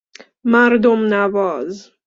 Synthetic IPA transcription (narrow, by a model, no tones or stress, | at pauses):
maɾd̪omnavɒːz